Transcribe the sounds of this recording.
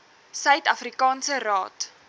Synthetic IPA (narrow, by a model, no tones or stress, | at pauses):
sœɥtɐfrikɑːnsərɑːt